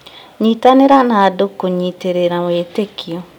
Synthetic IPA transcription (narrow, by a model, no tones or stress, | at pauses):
ɲitaneɾanaːdokoɲiteɾeɾametekiɔ